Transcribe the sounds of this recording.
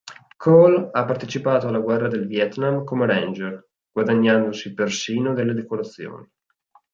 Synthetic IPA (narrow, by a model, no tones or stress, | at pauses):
kʰɔlapːart̪et͡ʃipaːt̪oalːaɡwɛrːad̪elvjɛt̪namkomeɾɛnd͡ʒer | ɡ̥wad̪aɲːand̪osipersiːnod̪elːed̪ekoɾat̪sːjo̰ːni